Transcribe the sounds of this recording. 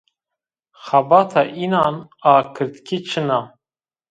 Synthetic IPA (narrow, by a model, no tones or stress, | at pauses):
xabɑt̪ʰɑʔinɑːnɑːkʰɨɾd̪kʲʰit͡ʃʰɨna